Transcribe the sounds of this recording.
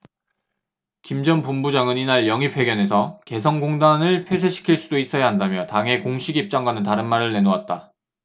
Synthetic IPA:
kimd͡ʑʌnpumbud͡ʑaŋɯninaɭjʌŋipʰwe̞ɡjʌne̞sʰʌke̞s̬ʰʌŋɡoŋdanɯɭpʰes̬ʰeɕʰi̥kʰiɭs͈udois͈ʌjaɦandamjʌtaŋɦe̞koŋɕʰiɡip̚t͡ɕ͈aŋɡwanɯntaɾɯnmaɾɯɭne̞nowat̚t͈a

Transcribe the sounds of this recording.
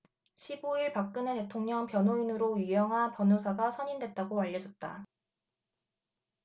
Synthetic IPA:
ɕʰiboiɭpak̚k͈ɯnete̞tʰoŋɲʌŋpjʌnɦoinɯɾojɥijʌŋɦanpjʌnosʰaɡasʰʌɲindwe̞t̚t͈aɡoaʎːʌd͡ʑʌt̚t͈a̰

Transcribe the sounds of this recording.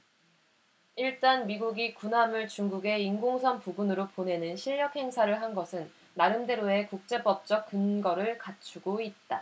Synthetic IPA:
iɭt͈anmiɡuɡikunɦamɯɭt͡ɕuŋɡuɡe̞inɡoŋsʰʌmpuɡunɯɾopone̞nɯnɕʰiʎjʌk̚he̞ŋsʰaɾɯɭɦanɡʌsʰɯnː | aɾɯnde̞ɾoe̞kuk̚t͡ɕ͈e̞bʌp̚t͡ɕ͈ʌk̚k͈ɯnɡʌɾɯɭkat͡ɕʰuɡoit̚t͈a

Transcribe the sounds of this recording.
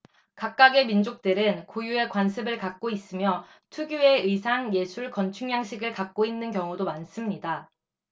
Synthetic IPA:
kak̚k͈aɡe̞mind͡ʑok̚t͈ɯɾɯnkojue̞kwansʰɯbɯɭkak̚k͈ois͈ɯmjʌ | tʰuɡjue̞ɯsʰaŋje̞sʰuɭkʌnt͡ɕʰuŋɲjaŋɕʰiɡɯɭkak̚k͈oinːɯnkjʌŋudomans͈ɯmɲida

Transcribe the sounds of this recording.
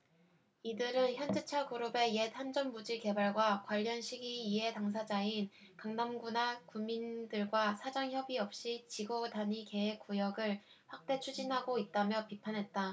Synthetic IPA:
idɯɾɯnçjʌnd͡ʑet͡ɕʰaɡuɾobe̞je̞tʰand͡ʑʌmmud͡ʑike̞baɭɡwakwaʎːʌnɕʰiɡiːɦe̞taŋs̬ʰad͡ʑain | kaŋnamɡunakumindɯɭɡwasʰad͡ʑaŋçjʌbiʌp̚ɕ͈it͡ɕiɡodaɲike̞ɦek͈ujʌɡɯɭ | ɸwak̚t͈e̞t͡ɕʰud͡ʑinɦaɡoit̚t͈amjʌpipʰanɦe̞t̚t͈a

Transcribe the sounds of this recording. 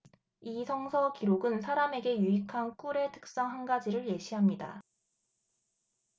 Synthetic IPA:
isʰʌŋsʰʌkiɾoɡɯnsʰaɾame̞ɡe̞juikʰank͈uɾe̞tʰɯ̥k̚s͈ʌŋɦanɡad͡ʑiɾɯɭje̞ɕʰiɦamɲida̰

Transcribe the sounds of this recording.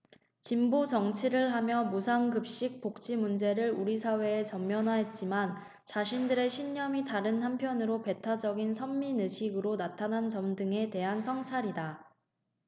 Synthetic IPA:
t͡ɕimbot͡ɕʌŋt͡ɕʰiɾɯɭɦamjʌmusʰaŋkɯp̚ɕ͈ik̚p͈ok̚t͡ɕ͈imund͡ʑe̞ɾɯɾuɾisʰawe̞ːt͡ɕʌmːjʌnɦaɦe̞t̚t͡ɕ͈iman | t͡ɕaɕ̬ʰindɯɾe̞ɕʰiɲːʌmitaɾɯnhampʰjʌnɯɾope̞tʰad͡ʑʌɡinsʰʌmːinɯɕʰiɡɯɾonatʰanɦant͡ɕʌmdɯŋe̞te̞ɦansʰʌŋt͡ɕʰaɾida

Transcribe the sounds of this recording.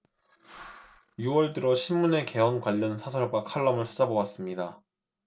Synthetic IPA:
juwʌɭdɯɾoɕʰimːune̞ke̞ʌnkwaʎːʌnsʰasʰʌɭbakʰaɭːʌmɯɭt͡ɕʰad͡ʑabowas͈ɯmɲida

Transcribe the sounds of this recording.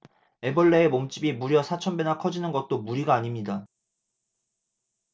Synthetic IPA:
e̞bʌɭːeemomt͡ɕ͈ibimuɾjʌsʰat͡ɕʰʌnbenakʰʌd͡ʑinɯnɡʌt̚t͈omuɾiɡaːɲimɲida

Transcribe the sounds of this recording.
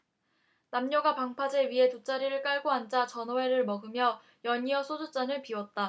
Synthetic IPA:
namɲʌɡapaŋpʰad͡ʑe̞ɥiɦe̞tot͡ɕ͈aɾiɾɯɭk͈aɭɡoɦand͡ʑat͡ɕʌnʌe̞ɾɯɭmʌɡɯmjʌ | jʌɲiʌsʰodut͡ɕ͈anɯɭpiwʌt̚t͈a

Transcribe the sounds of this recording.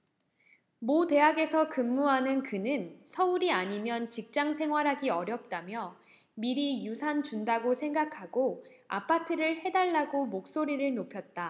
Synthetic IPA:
mote̞ɦaɡe̞sʰʌkɯmːuɦanɯnkɯnɯnsʰʌuɾiaɲimjʌnt͡ɕik̚t͡ɕ͈aŋsʰe̞ŋɦwaɾɦaɡiʌɾjʌp̚t͈amjʌ | miɾijusʰant͡ɕundaɡosʰe̞ŋɡakʰaɡoa̰pʰatʰɯɾɯɭhe̞daɭːaɡomok̚s͈oɾiɾɯɭnopʰjʌt̚t͈a

